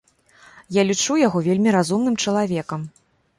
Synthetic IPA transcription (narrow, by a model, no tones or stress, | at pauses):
jalʲit͡ʂujaɣɔvʲelʲmʲiɾazumn̪ɨmt͡ʂɐlˠavʲɛkɐm